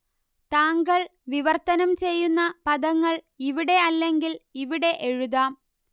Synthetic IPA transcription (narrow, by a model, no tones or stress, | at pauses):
t̪aːŋɡɐɭʋiʋɐrt̪ɐnɐmt͡ɕe̞jːunːɐpɐðɐŋːɐɭ | iʋiɽe̞ɐlːe̞ŋɡiliʋiɽe̞ʔɻuðaːm